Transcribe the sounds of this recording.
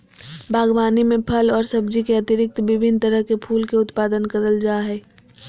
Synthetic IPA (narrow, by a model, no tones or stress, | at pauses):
bʱaːɡwaːnimẽpʰəlɔːɾsɐb̚d͡ʒikeɐt̪ɪɾɪk̚t̪bɪbʱɪnt̪ɐɾəɦkepʰuːlkeʊt̪paːd̪ənkɐɾəld͡ʒaːɦɛː